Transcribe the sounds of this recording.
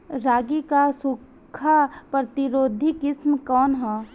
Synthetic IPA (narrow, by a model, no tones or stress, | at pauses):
ɾaːɡikasʊk | kʰːapɾɐt̪ɪɾoːd̪ʱikɪsmkɔːnɦɛː